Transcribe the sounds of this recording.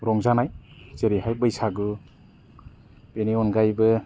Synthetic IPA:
ɾɔŋzanajzeɾiɦajbɯjsaɡɯ | b̥eniɔnɡajbɯ

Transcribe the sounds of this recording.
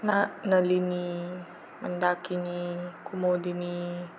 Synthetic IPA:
nanəlini | mənd̪akinikumodini

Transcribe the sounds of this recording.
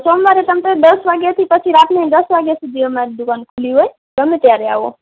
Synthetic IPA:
somaɾet̪əmt̪od̪əsʋaɡjat̪ʰipət͡ʃʰiɾapned̪əsʋaɡjasud̪ʱiəmaɾid̪ukankʰuliɦoj | ɡəmẽt̪jaɾea̰ʋo̰

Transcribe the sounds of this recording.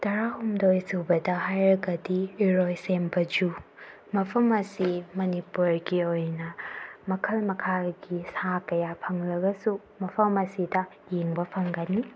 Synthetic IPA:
tɐɾahumdojsubɐdɐɦajɾɐɡɐdiiɾojsembɐd͡ʒu | mɐpʰɐmɐsimɐnipuɾɡiojnɐmɐkʰɐlmɐkʰaɡisakɐjapʰɐŋlɐɡɐsu | mɐpʰɐmɐsidɐ | jeŋbɐpʰɐŋɡɐnːi

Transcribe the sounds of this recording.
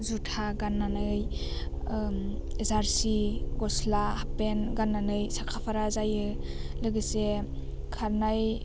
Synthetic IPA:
zutʰaɡanːanɯj | esaɾsiɡɔslahapenɡanːanɯjsakʰapʰaɾazajɯlɯɡɯse | kʰaɾnaj

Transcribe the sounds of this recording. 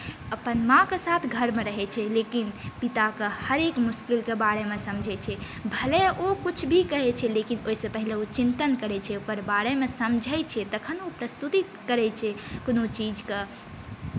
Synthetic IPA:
əpənmãkesat̪ʰɡʱəɾmeɾəɦɛt͡ʃʰɛlekinpit̪akehəɾekmuskilkebaɽemesəmd͡ʒʱɛt͡ʃʰɛ | bʱəleokut͡ʃʰbʱikəɦɛt͡ʃʰɛlekinoisə̃pəɦileot͡ʃint̪ənkəɾɛt͡ʃʰɛokəɾbaɽemesəmd͡ʒʱəjt͡ʃʰɛt̪əkʰənupɾəst̪ut̪i | kəɾɛt͡ʃʰɛkonot͡ʃid͡ʒke

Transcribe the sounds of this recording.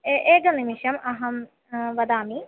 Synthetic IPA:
eʔeːɡɐnimiʂɐmɐɦɐm | ʋɐd̪aːmi

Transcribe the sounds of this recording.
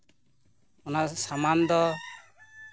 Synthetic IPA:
ɔnasamand̪ɔ

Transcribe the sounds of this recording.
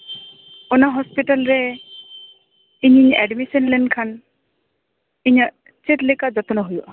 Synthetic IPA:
ɔnaɦɔspiʈalɾɛ | iɲiɲɛɖmisɔnlɛnkʰan | iɲaʔ | t͡ʃit̪lɛkad͡ʒɔt̪ɔnɔɦujuʔ

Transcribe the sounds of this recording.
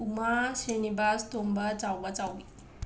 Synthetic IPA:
umaɕenibast̪ombət͡sawbat͡sawʋi

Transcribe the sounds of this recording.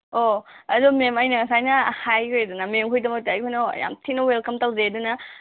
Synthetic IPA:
oɐdumemɐjnɐŋɐsajnɐhajojdunɐmeŋkʰojdɐmɐk̚taɐjkʰojnɐ̰ja̰mtʰinɐwelkɐmtɐwzedunɐ

